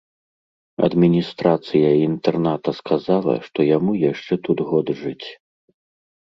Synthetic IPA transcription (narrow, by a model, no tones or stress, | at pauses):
ɐ̰d̪mʲinʲist̪ɾat̪sɨjɐint̪ɛrnat̪ɐskʰazalˠɐ̰ʂt̪ɔjamujaʂt͡ʂɛt̪ud̪ɣɔd̪ʐɨt͡sʲ